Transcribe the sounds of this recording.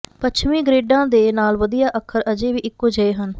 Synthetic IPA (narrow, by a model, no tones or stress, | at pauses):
pət͡ʃʰmĩːɡɾeːɖãːd̪eːnaːlʋəd̪ijaːʔəkʰːəɾəd͡ʒeːʋiːʔɪkːoːd͡ʒəeːɦən